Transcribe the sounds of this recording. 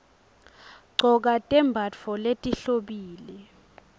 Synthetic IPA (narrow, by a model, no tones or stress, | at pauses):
ɡ͡ǀʱɔk̬atʼɛmbʱafɔletʼiɬoɓiːlɛ